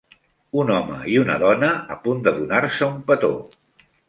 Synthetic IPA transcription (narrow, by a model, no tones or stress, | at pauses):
unɔmə̰iunə̰ðɔnəːpund̪əðunaɾsəumpət̪o̰